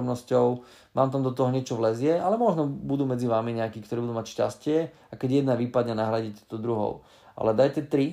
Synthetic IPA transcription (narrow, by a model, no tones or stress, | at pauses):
mnɔscɔʊ | mʔaːmt̪amd̪ɔt̪ɔɦɔɲɪɛt͡ʃɔʋlɛzɪɛalɛmɔʒnɔbud̪uːmɛd͡ziʋaːmiɲɛakiːkt̪ɔɾiːbud̪uːmacʃca̰scɪɛ | akɛɟjɛd̪naʋiːpad̪ɲɛnaɦɾaɟitcɛ̥t̪ɔd̪ɾuɦɔ̰ʊ | ʔa̰lɛd̪ajcɛt̪ɾi